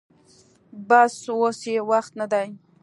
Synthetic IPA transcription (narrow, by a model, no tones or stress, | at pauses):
baswosewaxt̪nad̪aj